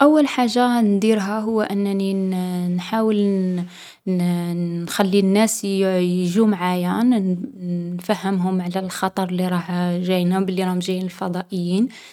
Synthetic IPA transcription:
ʔæwːəlħaʒːand̪iɾɦæɦʊwːæʔənːæninħawəl | nxælːinːæsjʒumʕajæn | nfæhːəmɦʊmʕlælxɑt̪ˤɑɾˤlːiɾˤɑhʒæjnæbəlːiɾˤɑhʊmʒæjinəlfɑd̪ˤɑʔəjːin

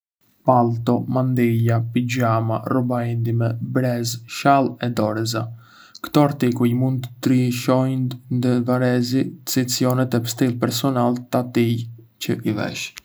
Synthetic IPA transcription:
palt̪ɔmand̪ijapid͡ʑama̰rubaind̪imɛbɾɛzʃalˠɛd̪ɔɾɛza | kt̪ɔaɾt̪ikujmund̪̚ət̪ɾiʃɔjnnd̪əvaɾɛzit͡sit͡siɔnɛt̪ɛpə̥st̪ilˠpɛɾsɔnalt̪at̪ij | cəʔivɛ̰ʃ

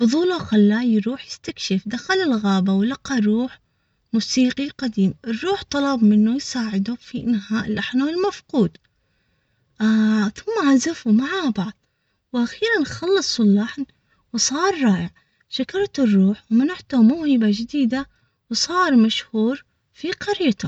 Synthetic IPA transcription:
bʊðˤuːlaxalːaːjɾuːħjɪst̪akʃɪfd̪axalɪlɣaːbawlaqɑɾˤuːħ | muːsiːqiqad̪iːmʔɪrˤːuːħt̪ˤɑlɑbmɪnːujsaːʕɪd̪ufinɦaːʔɪlːʔaħnaɪlmafquːd̪ | θʊmːaʕazafumaʕabɑʕðˤ | wʔaxiːɾanxɑlːɨsˤwɪlːaħn | wsˤɑːɾˤːɑːʔɪʕ | ʃakɑɾˤt̪ɪrˤːuːħwmanaħt̪ʊmʊːhɪbad͡ʒɪd̪iːd̪a | wsˤɑːɾˤmaʃhuːɾ | fiqɑɾiːt̪ʊ

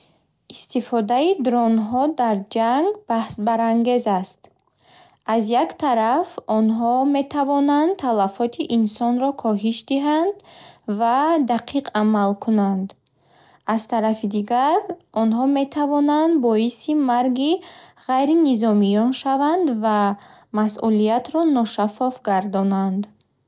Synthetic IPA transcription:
ist̪ifɔd̪aid̪ɾɔnɦɔd̪aɾd͡ʒaŋɡb̥ahsbaɾaŋɡe̞zast̪ | azjakt̪ʰaɾafɔnɦɔme̞t̪ʰavɔnand̪t̪ʰalafɔt̪ʰiʔinsɔnɾɔkʰɔɦiʃd̪iɦand̪vad̪aqʰiqamalkʰunand̪ | azt̪ʰaɾafid̪iɡaɾʔɔnɦɔme̞t̪ʰavɔnand̪bɔisimaɾɡiʁajɾinizɔmijɔnʃavand̪vamasʔulijat̪ɾɔnɔʃafɔfɡaɾd̪ɔnand̪

